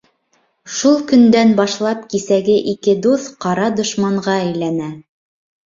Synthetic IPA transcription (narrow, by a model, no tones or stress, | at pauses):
ʃulˠkɵ̆nd̪ænbɑʃlˠɑpkisæɡɘʔikɘd̪uθqɑɾɑd̪ŏʃmɑɴʁɑæjlænæ